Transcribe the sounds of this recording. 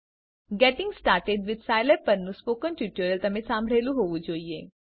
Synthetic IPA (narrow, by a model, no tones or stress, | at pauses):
ɡɛʈɪ̃ŋɡsʈaːɾʈeɖʋɪd̪saːɪlepːɐɾnũspoːkə̃nʈjuːʈəɾəlt̪ɐmẽsãːmbʱɽeːluɦoːʋud͡ʒoːie